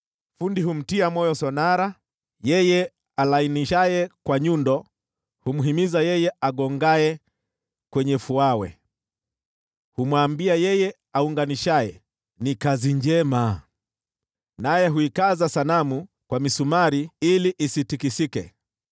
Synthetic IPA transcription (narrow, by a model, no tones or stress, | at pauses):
fundiɦum̩tiamɔjɔsɔnaɾa | jɛjɛ | alainiʃajɛkwaɲundɔ | humuɦimizajɛjɛaɠɔŋɡajɛ | kwɛɲɛfuawɛ̰ | humwaːmbiajɛjɛ | auŋɡaniʃajɛ̰ | nikaziɲd͡ʒɛma | najɛɦuikazasanamu | kwamisumaɾiiliʔisitikisikɛ̰